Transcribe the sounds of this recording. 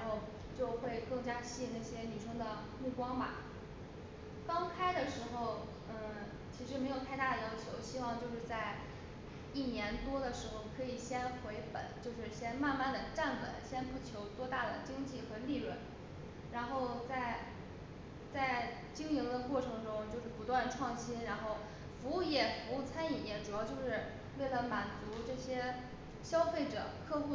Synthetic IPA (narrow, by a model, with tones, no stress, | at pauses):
nxo˥˧ʊ | t͡ɕjo˥˧ʊxwe˥˧ɪkɤ˥˩ŋt͡ɕja˥ɕi˥i˥˧ŋna˥˩ɕjɛ˥ny˨˩ʂɤ˥ŋd̪ə˨ | mu˥˩kwɑ˥ŋmɐ̰˨˩ | kɑ˥ŋkʰa˥ɪd̪ə˨ʂɻ̩˧˥xo˥˧ʊ | ə˥˩ | t͡ɕʰi˧˥ʂɻ̩˧˥me˧˥ɪjo˨˩ʊt̪ʰa˥˧ɪt̪a˥˩d̪ə˩jɑ˥ʊt͡ɕʰjo˧˥ʊɕi˥wɑ˥˧ŋt͡ɕjo˥˧ʊʂɻ̩˥˧t͡sa˥˧ɪ | i˥˩njɛ˧˥nt̪wɔ˥d̪ə˨ʂɻ̩˧˥xo˥˩ʊkʰɤ˧˥i˨˩ɕjɛ˥nxwe˧˥ɪpə̰˨˩˦nt͡ɕjo˥˧ʊʂɻ̩˥˩ɕjɛ˥nma˥˧nma˥˩nd̪ə˩ʈ͡ʂa˥˩npə̰˨˩nɕjɛ˥npu˥˩t͡ɕʰjo˧˥ʊt̪wɔ˥t̪a˥˩d̪ə˩t͡ɕi˥ŋt͡ɕi˥˩xɤ˧˥li˥˧ɻwə˥˩n | ɻa˧˥nxo˥˧ʊt͡sa˥˩ɪ | t͡sa˥˩ɪ | t͡ɕi˥ŋi˧˥ŋd̪ə˧kwɔ˥˩ʈ͡ʂʰɤ˧˥ŋʈ͡ʂʊ˥ŋt͡ɕjo˥˧ʊʂɻ̩˥˩pu˧˥t̪wa˥˧nʈ͡ʂʰwɑ˥˩ŋɕi˥nɻa˧˥nxo˥˩ʊ | fu˧˥u˥˩jɛ˥˩fu˧˥u˥˩t͡sʰa˥ni˥˨˩jɛ˥nʈ͡ʂu˨˩jɑ˥˧ʊt͡ɕjo˥˧ʊʂɻ̩˥˧ | we˥˩ɪlə˩ma˨˩nt͡su˧˥ʈ͡ʂɤ˥˩ɕjɛ˥ | ɕjɑ˥ʊfe˥˩ɪʈ͡ʂɤ̰˨˩kʰɤ˥˧xu˥˩